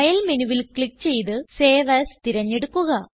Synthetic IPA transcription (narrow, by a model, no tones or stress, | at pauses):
ɐjɐlmenuʋilkɭik̚ːt͡ɕe̞jt̪ɨseːʋɐst̪iɾɐɲːeɽukːuɣɐ